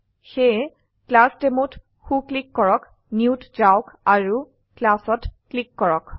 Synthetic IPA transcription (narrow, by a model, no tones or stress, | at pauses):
xe | klastemut | xuklikːɔɹɔk | niutzawkaɹu | klasɔtklikːɔɹɔk